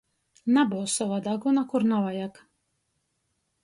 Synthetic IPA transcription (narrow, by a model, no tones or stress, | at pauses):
nabuwsɔvad̪aɡunakuɾnavajak